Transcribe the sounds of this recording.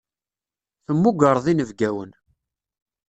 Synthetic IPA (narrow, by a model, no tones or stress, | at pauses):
θəmːuɡəɾˤðˤinəvɡæwən